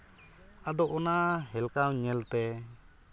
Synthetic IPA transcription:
ad̪ɔʔɔnaɦɛlkawɲɛlt̪ɛ

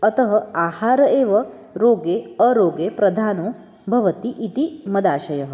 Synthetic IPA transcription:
ɐt̪ɐɦɐaːhaːɾɐeːʋɐ | ɾoːɡeːɐɾoːɡeːpɾɐd̪ʱaːnoː | bʱɐʋɐt̪iʔit̪imɐd̪aːʃɐjɐɦɐ̆

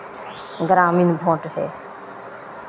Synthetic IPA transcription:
ɡɾaːmiːnbʱõːʈhḛː

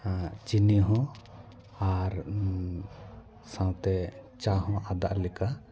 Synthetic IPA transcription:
t͡ʃiniɦɔ̃ | aɾ | sãw̃t̪ɛt͡ʃaɦɔ̃ʔad̪aʔlɛka

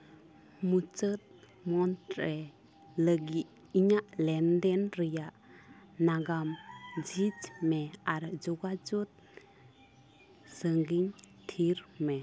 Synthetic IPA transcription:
mut͡ʃət̪̚ | mɔntɾe | ləɡiː | ɲaʔlɛndenɾijaʔnaɡamd͡ʒit͡ʃmeaɾd͡ʒɔɡad͡ʒut̪̚ | səŋɡiŋ | tʰiɾme

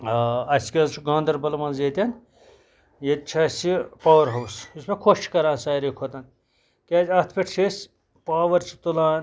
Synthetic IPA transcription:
ɐskʲɐzt͡ʃʰuɡɐ̃ːnd̪ɐɾbɐlɐmɐnzeːt̪ʲɐn | jet̪̚t͡ʃʰɐsipaːwɐɾɦɐwsusmekʰoʃkɐɾaːnsaːjɾekʰot̪ɐn | kʲaːzʲɐt̪ʰpʲeʈʰsʰesʲ | paːʋɐɾt͡ʃʰi̥t̪ulaːn

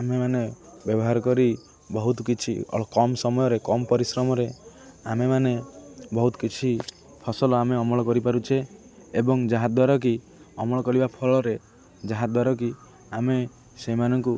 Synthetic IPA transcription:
amemanebjɔbɔɦaɾɔkɔɾi | bɔɦut̪ɔkit͡ʃʰḭɔ̰kɔmsɔmɔjɔɾekɔmɔpɔɾisɾɔmɔɾeamemanebɔɦut̪ɔ̥kit͡ʃʰi | pʰɔsɔlɔameɔmɔɭɔkɔɾipaɾut͡ʃʰeː | bɔŋd͡ʒaɦad̪waɾɔk̬i | ɔmɔɭɔkɔɾibapʰɔlɔɾe | d͡ʒaɦad̪waɾɔk̬i | ame | semanɔŋku

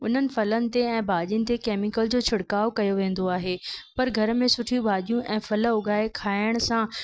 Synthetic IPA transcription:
ʊn̤ənɪ̆fɐlənɪ̆t̪eɛ̃ːbʱaːʄənɪ̆t̪̬ekeːmɪkəld͡ʑoːt͡ɕʰʊɽkaːokɐjoʋẽːn̆d̪oaːɦeːpɐɾɡʱɐɾ̆mẽsʊʈʰijũbʱaːʄijũʔɛ̃ːfɐləʊɡaːekʰaːɪəɽ̃sã

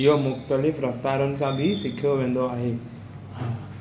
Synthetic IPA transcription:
iɦomʊxt̪əlɪfɾɐft̪aːɾonɪ̆sãbʱisɪkʰijoʋẽːnd̪oaːɦẽː

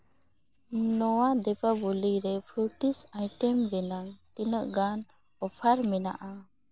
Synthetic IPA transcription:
nɔwad̪ɛpabuliɾɛpʰuʈisajʈɛmɡɛnaŋt̪inəʔɡan | ɔpʰaɾmɛna̰ʔa

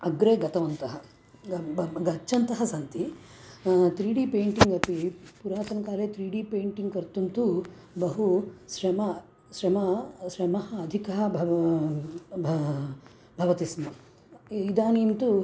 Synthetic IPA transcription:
ɐɡɾeːɡɐt̪ɐʋɐnt̪ɐɦɐ | ɡɐt͡ʃːʃɐnt̪ɐɦɐsɐnt̪i | t̪ɾiːɖipeːɳʈiŋɡɐpipuɾaːt̪ɐnkaːleːt̪ɾiːɽiːpeːɳʈiŋɡkɐɾt̪unt̪u | bɐɦusɾɐmɐ | ʃɾɐmɐʃɾɐmɐɦɐːd̪ʱikɐɦɐbʱɐ | bʱ | bʱɐʋɐt̪ismɐ | id̪aːniːnt̪u

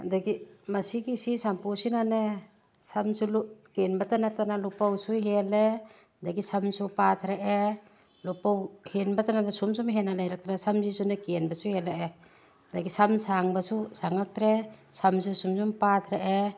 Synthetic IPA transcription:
daɡimasikisisampusinane | samsulukenbatanatanalupawsuɦele | daɡisamsupat̪ʰɾeʔe | lupawhenbatanadasumsumɦenalajɾak̚tanasamzisunekenbasuheleʔe | daɡisamsaŋbasusaŋak̚tɾesams̬usumsumpat̪ʰɾaʔe

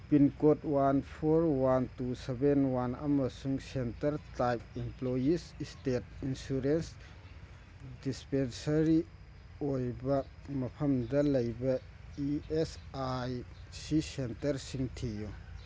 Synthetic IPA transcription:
pinkot̚wanpʰoɾwantusebenwana̰mɐsuŋsentɐɾtajp̚implojisstet̚insuɾens | dispensɐɾi | ojbɐmɐpʰɐmdɐlɐjbɐ | iesajsisentɐɾsiŋtʰiju

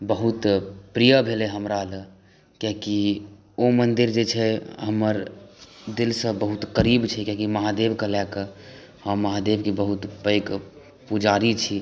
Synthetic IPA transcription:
bəɦut̪pɾijəbʱeleɦəmɾalə | keki | omənd̪iɾd͡ʒet͡ʃʰɛɦəməɾ | d̪ilsə̃bəɦut̪kəɾibt͡ʃʰɛkekiməɦad̪ebkəlɛkə | həmmːəɦad̪ebkebəɦut̪bəjk | pud͡ʒaɾit͡ʃʰi

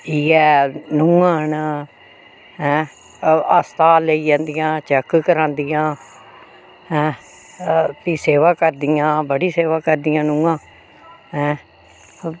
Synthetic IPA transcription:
iːɛːnʊãːn | ɦɛ̃ː | əst̪aːleiːd͡ʒãːnd̪ɪjãːt͡ʃɛkkəɾãːnd̪ijãː | ɦɛ̃ː | t̪iːseːʋaːkəɾd̪ɪjãːbəɽiːseːʋaːkəɾd̪ijãːnʊːãː | ɦɛ̃ː

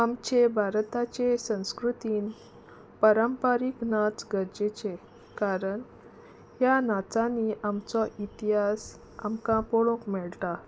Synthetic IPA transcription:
amt͡ɕebʱaɾt̪at͡ɕesə̃w̃skɾut̪iːn | pəɾəmpaɾiknat͡sɡəɾd͡ʑet͡ɕe | kaɾəɳ | ɦjanat͡sãniʔamt͡sɔʔit̪iɦas | amkãpɔɭõkmɛɭʈa

